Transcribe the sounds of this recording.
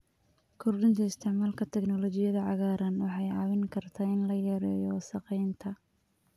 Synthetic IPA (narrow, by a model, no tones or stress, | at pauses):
kʰɔrɖʊnt̪ʰɐɪst̪ʰɛʕmaːlkʰɐt̪ʰɛknɔlɔt͡ʃɪjɐðɐʕɑɣaːɾɐnwɑħɑjʕɑwɪŋkʰɐrt̪ʰaːɪnlɐjɐɾɛ̰ːjɔsɐqɛjnt̪ʰɐ